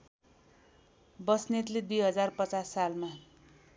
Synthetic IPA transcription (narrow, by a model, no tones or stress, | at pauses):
bʌsnet̪led̪ujɦʌd͡zarpʌt͡sasːalma